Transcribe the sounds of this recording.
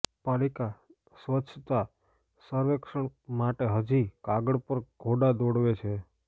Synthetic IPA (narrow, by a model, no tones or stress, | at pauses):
palika | sʋət͡ʃʰt̪a | səɾʋekʂəɳmaʈeɦəd͡ʒikaɡəɽpəɾɡ̥ʱoɖad̪oɽʋet͡ʃʰe